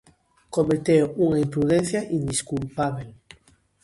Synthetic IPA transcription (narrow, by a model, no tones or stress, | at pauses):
komet̪ewuŋaimpɾuðenθjaʔind̪iskulpaβel